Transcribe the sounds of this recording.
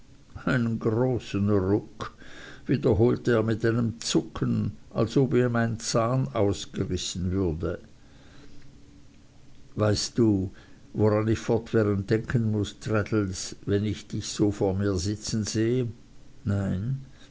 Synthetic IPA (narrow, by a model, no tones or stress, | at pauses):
ʔaɪnənɡʁoːsn̩ʁʊkviːdɐɦoːltəeːɐmɪtaɪnəmt͡sʊkʰənʔalsoːbiːɐmaɪnt͡saːnaʊsɡ̥əʁɪsn̩vʏɐdə | vaɪstd̥uːvoʁanɪçfɔɐtv̥ɛːʁənt̚d̥ɛŋkʰənmʊstʁɛdl̩svɛnɪçd̥ɪçz̥oːfoːɐmiːɐzɪt͡sn̩zeːə | naɪn